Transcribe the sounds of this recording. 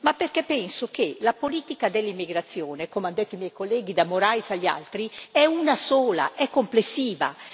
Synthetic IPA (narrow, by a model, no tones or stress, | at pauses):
mapːerkepːɛnsok̟elapoliːt̪ikad̪elːimːiɡɾat̪sːjoːnekomand̪et̪ːoimɛjkolːɛːɡ̟id̪amoɾajsaʎːia̰lt̪ɾiɛunasoːla̰ʔɛkːomplesːiːva̰